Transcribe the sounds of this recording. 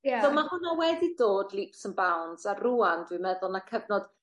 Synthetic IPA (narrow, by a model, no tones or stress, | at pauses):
d̥ɔmahʊnawɛdidoːdlˠiːpsənbawnzaruandwimɛðʊlˠnakʰəvnɔd̥